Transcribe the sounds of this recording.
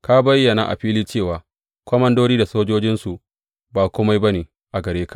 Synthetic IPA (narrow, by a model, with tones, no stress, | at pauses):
ka˦bɐ˦jːɐ˨na̰˨ʔa̰˨ɸiː˦liː˦t͡ʃeː˦˨waː˨ | kʷɔ˦mɐ˦ndoː˦ɾiː˦da˨soː˦d͡ʒoː˦d͡ʒɪ˦nsu˨ | baː˨kʷʊ˦ma˦jbɐ˦neː˨ | ʔa˨ɡɐ˨ɾeː˦kḁ˨ʔ